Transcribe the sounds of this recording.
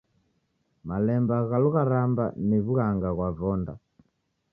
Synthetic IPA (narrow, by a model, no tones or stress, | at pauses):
malɛmbaɣaluɣaɾamba̰niβuɣaŋɡaɣwavɔnda